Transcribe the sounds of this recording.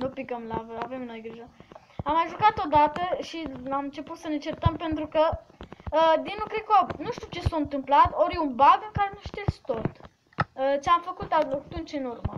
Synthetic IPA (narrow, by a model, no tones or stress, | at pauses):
nupiɡəmlavəave̞mno̞jɡɾiʒə | amaʒukat̪o̞d̪at̪əʃiamɨnt͡ʃe̞put̪sənet͡ʃe̞rt̪əmpe̞nt̪ɾukə | əd̪inukɾekobnuʃt̪iuwt͡ʃe̞saɨnt̪ɨmplat̪o̞ɾjeunbaɡɨŋkaɾe̞nuʃt̪iest̪ot̪ | ət͡ʃeamfəkut̪aot̪unt͡ʃɨnurmə